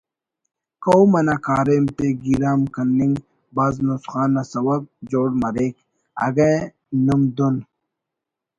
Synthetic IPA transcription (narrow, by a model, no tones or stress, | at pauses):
kowmɐnakaːɾemt̪eɡiɾaːmkɐnːiŋɡ | baːznusχaːnɐsɐwɐk̚d͡ʑoːɽmɐɾeːk | ɐ̰ɡɐ | numd̪un